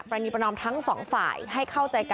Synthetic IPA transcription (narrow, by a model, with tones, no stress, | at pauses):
pɾa˧ni˧˩pɾnɔː˧mt̪ʰa˦˥ŋsɔː˩˦ŋfa̰ː˨˩jɦa˥˩jkʰa˥˩wt͡ɕa˧jka˧